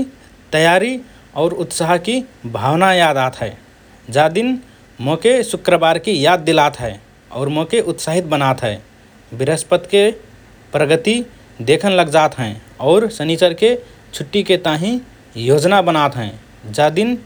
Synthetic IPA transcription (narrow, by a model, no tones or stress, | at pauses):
t̪əjaɾi | ɔʊɾut̪saɦkibʱawnajad̪at̪ɦɛɪ | d͡ʒad̪in | mokesukɾəbaɾkijad̪̚ːilat̪ɦɛe | ɔ̰ːɾmokeʔʊt̪saɦit̪bənat̪ɦɛ | biɾəspət̪ke | pɾəɡət̪i | d̪ekʰənləɡd͡ʒat̪ɦɛ̃ | ɔːʊɾsənit͡ʃəɾke | t͡ʃʰuʈːiket̪aɦĩ | jod͡ʒnabənat̪ɦɛ̃ | d͡ʒad̪in